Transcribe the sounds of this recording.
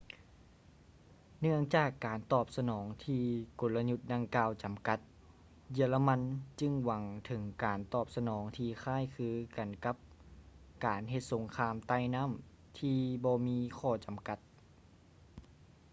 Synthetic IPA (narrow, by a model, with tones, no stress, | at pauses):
nɯ˧˩əŋt͡ɕaː˧˩kːaː˨˩nt̪ɔː˧˩p̚sa˧nɔː˩˦ŋt̪ʰiː˧ko˨˦lla˧ɲu˧t̪̚da˧ŋkaː˧˩wt͡ɕa˨˩mka˧˦t̪̚ | ji˧˩əla˧ma˧˥nt͡ɕɯ˧ŋwa˨˦ŋt̪ʰɤ˩˦ŋkaː˨˩nt̪ɔː˧˩p̚sa˧nɔː˩˦ŋt̪ʰiː˧xʰaː˧˥˨jkʰɯː˧ka˨˩nka˧˥p̚ | kaː˨˩nɦe˧t̪̚so˨˦ŋkʰaː˧˥mt̪a˧˩jna˧˥˨m | t̪ʰiː˧bɔː˧miː˧˥kʰɔː˧˩t͡ɕa˨˩mka˧˥t̪̚